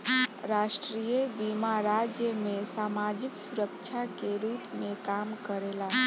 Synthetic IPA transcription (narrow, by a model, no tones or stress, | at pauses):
ɾaʃʈɾijebimaɾad͡ʒjəmesamad͡ʒiksuɾəkt͡ʃʰakeɾupmekamkəɾela